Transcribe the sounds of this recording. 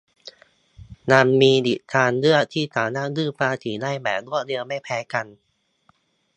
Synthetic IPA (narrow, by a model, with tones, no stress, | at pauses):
naː˧nmiː˧d̪i˨˩t̪̚t̪ʰaː˧nlɯ˥˩ət̪ʰiː˥˩t̪aː˨˦wna˦˥˩dɯː˥˩paː˧t̪ʰiː˩˦la˥˩jbɛː˨˩k̚lu˥˩ədi˧əwma˥˩jpʰɛː˨˦˥ka˧n